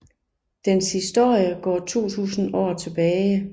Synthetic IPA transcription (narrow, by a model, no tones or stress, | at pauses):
d̥enshisd̥o̝ɐ̰jəɡ̥ɒ̰ːt͡sʰo̝̰ːt͡sʰṵːsn̩ɒ̰ːt͡sʰe̝b̥ɛːɪ